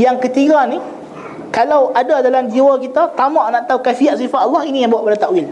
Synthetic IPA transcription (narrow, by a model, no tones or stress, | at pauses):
jaŋkət̪iɡani | kalawadadalamd͡ʒiwakit̪at̪amaʔnãʔt̪awkafiaʔ̪sifat̪alːɑhinĩjaŋbawaʔbəɾat̪aʔwil